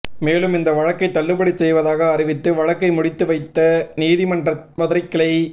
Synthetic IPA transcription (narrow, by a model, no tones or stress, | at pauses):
meːlɯmɪnd̪ɐʋɐɻɐkːɐɪt̪ːɐɭːɯbɐɽit͡ʃːɛjʋɐðaːɣɐːɾɪʋɪt̪ːɯʋɐɻɐkːɐɪmʊɽɪt̪ːɯʋɐɪt̪ːɐniːðɪmɐɳrɐmɐðɾɐɪkːɐɭɐɪ